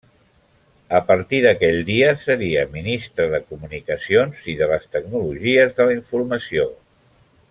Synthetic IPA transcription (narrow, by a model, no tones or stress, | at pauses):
əpəɾt̪iðəkɛʎd̪iəsəɾiəminist̪ɾəðəkumunikəsionziðələst̪əɡnuluʒiəzðəliɱfuɾməsio